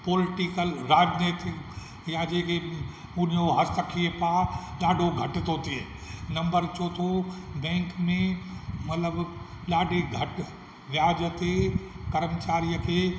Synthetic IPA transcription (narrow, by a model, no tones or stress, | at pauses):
poːlɪʈikəlɾaːd͡ʒneːt̪ɪk | jãd͡ʒeːke | ʊn̤ijoɦɐsəkʰiəpaːɗaːɖʱoɡʱɐʈt̪oːt̪ieːnɐ̃mbəɾt͡ʃoːt̪ʰobɛ̃ːŋkmẽmɐt̪ləb | ɗaːɖʱiɡʱɐʈ | ʋjaːd͡ʒət̪e | kɐɾmət͡ʃaːɾijəkʰeː